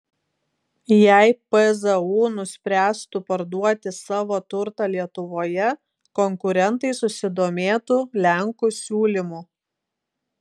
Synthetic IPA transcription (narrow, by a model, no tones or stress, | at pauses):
jæˑɪpɛzɛuːnʊsʲpʲɾʲæːst̪ʊpɐɾd̪uɔt̪ʲɪsɑːʋoːt̪ʊɾt̪ɑlʲiɛt̪ʊʋoːjɛ | kɔŋkʊɾʲɛnt̪ɐɪsʊsʲɪd̪oːmʲeːt̪uːlʲæŋkuːsʲuːlʲɪmuː